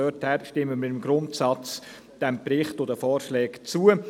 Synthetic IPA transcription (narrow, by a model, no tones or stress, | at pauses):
œthæɾʃtɪmːəmɪɾɪmɡɾʊntsɑt͡s | d̥ɛmpɾɪχtʊdəfɔːɾʃlɛːkt͡suə